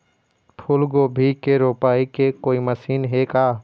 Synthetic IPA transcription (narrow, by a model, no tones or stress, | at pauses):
pʰʊlɡobʱikeɾoːpaːikekoːiməsiːnɦeːkaː